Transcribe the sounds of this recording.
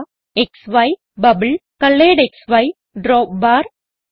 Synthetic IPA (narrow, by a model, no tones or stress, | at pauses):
ɛksʋɐɪ | bɐbɨlkɐlːeːɖeksʋɐɪ | ɖɾoːp̚baːɾ